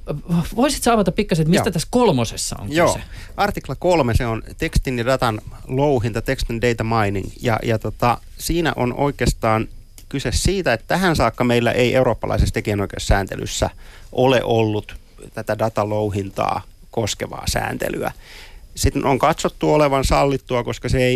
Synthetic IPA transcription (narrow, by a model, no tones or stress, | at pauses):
ʋoisit̪sɑːʋɑt̪ɑppikːɑset̪mist̪æt̪æskolmosesːɑ̰o̰ŋjoːeɑrt̪iklɑkolmeseont̪ekst̪injɑdɑt̪ɑn | louɦint̪ɑt̪ekst̪indeit̪ɑmɑiniŋjɑ̰jɑt̪ot̪ɑ | siːnæ̰ʔo̰no̰ikeːst̪ɑːn | kysessiːt̪æet̪t̪æhænsɑːkːɑmeilːæ̰ʔeiʔeuroːpːɑlɑ̰isest̪ekijænoikḛːssæːnt̪ḛly̰sːæ̰ʔolḛʔolːut̪ | t̪æt̪ædɑt̪ɑlouhint̪ɑ̰ː | koskeʋɑ̰ːsæ̰ːnt̪ḛly̰æ̰sit̪noŋkɑt̪sot̪ːuoleʋɑnsɑlːit̪ːuɑkoskɑseei